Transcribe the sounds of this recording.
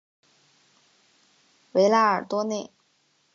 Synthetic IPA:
we˧˥ɪla˥ə̰˞˨˩t̪wɔ˥ne˥˩ɪ

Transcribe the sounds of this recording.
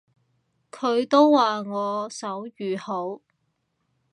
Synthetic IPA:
kʰɵ˨˧ɥt̪o˥wwaː˨ŋɔː˨˧sɐ˨˥wjyː˨˩ho˨˥w

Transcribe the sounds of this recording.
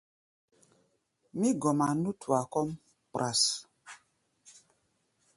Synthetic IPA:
mi˦ɡɔ˨ma˨nu˦tʰu˨a˨kɔ˦m | pɾʔa˨s

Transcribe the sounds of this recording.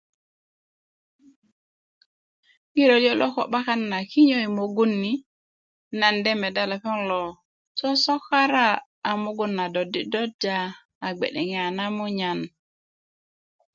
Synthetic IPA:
ŋi˦ɾo˨ljo˦lo˦ko˨ɓa˦ka˦nːa˨ki˦ɲo˦i˨mo˨ɡu˦nːi˨˦ | na˨nde˦me˨da˦la˨pɔ˦ŋlo˨ | so˦so˦ka˦ɾaː˦˨ | mu˦ɡu˦nːa˨do˨di˦do˦d͡ʒaː˦˨ | ɡ͡bḛ˨ɗe˨ŋe˦˨a˨na˦mu˦ɲa˨n

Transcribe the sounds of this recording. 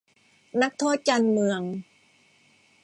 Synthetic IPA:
na˦˥k̚t̪ʰu˦˥ət͡ɕa˧nmɯ˧əŋ

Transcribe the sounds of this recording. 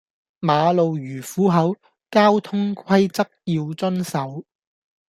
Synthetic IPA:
maː˨˧lo˨wjyː˨˩fuː˨˥ɦɐ˨˥w | kaː˥wt̪ʰʊ˥ŋkʷʰɐ˥jt͡sɐ˥k̚jiː˧wt͡sɵ˥nsɐ˨˥w

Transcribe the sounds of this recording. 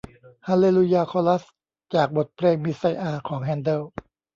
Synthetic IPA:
haː˧leː˧lu˧jaː˧kʰɔː˧la˦˥s | t͡ɕaː˨˩k̚bo˨˩t̪̚pʰɾeː˧ŋmi˦˥sa˧jʔaː˧kʰɔː˩˦ŋɦɛː˧ndɤː˧˥˩w

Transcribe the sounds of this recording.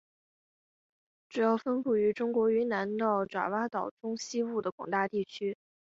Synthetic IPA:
ʈ͡ʂu˨˩jɑ˥˩ʊfə˥npu˥˩y˧˥ʈ͡ʂʊ˥ŋkwɔ˧˥y˧˥na˧˥nt̪ɑ˥˩ʊʈ͡ʂwa̰˨˩wa˥t̪ɑ˨˩ʊʈ͡ʂʊ˥ŋɕi˥wu˥˩d̪ə˩kwɑ̰˨˩ŋt̪a˥˧t̪i˥˩t͡ɕʰy˥

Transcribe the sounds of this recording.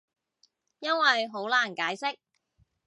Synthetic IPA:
jɐ˥nwɐ˨jɦo˨˥wlaː˨˩nkaː˨˥jsɪ˥k̚

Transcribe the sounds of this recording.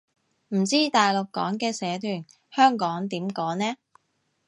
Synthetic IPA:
m̩˨˩t͡siː˥t̪aː˨jlʊ˨kːɔ̰ː˨˥ŋkɛː˧sɛː˨˧˥t̪ʰyː˨˩n | hœː˥ŋkɔː˨˥ŋt̪iː˨˥mkɔː˨˥ŋnɛː˥

